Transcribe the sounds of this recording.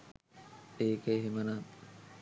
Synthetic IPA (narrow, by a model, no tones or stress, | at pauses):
eːkəeɦimənat̪